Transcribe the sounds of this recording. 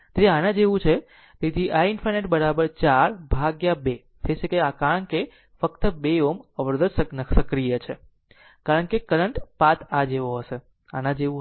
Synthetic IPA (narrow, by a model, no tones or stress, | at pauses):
t̪eanãd͡ʒeʋũt͡ʃʰe | t̪et̪ʰiʔainfʰəɾneʈbəɾabəɾt͡ʃaɾbʱaɡjabe | d͡ʒet͡ʃʰekeakaɾəɳke | fəkt̪əbeoməʋəɾd̪əd͡ʒsənəsəkɾijət͡ʃʰe | kaɾəɳkekəɾəɳʈpat̪ʰad͡ʒeʋoɦəse | a̰nãd͡ʒeʋũ